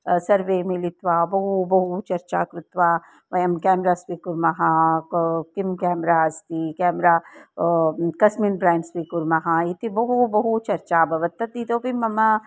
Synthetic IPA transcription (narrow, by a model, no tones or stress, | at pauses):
sɐɾʋeːmilit̪ʋaːbɐɦubɐɦut͡ʃɐɾt͡ʃa̰ːkɾut̪ʋaː | ʋɐjɐmkɛːmɾaːsʋikuɾmɐɦa | kimkɛːmɾaːɐst̪ikɛːmɾaː | kɐsminbɾaːnsʋiːkuɾmɐɦait̪ibɐɦubɐɦut͡ʃɐɾt͡ʃaːbʱɐʋɐt̪ːɐt̪̚d̪iːt̪oːbʱimɐma